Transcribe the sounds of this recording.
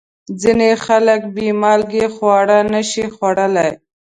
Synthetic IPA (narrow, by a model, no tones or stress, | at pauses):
zinexalək̚bimɑlɡexwɑɽanəʃixwaɽəlaj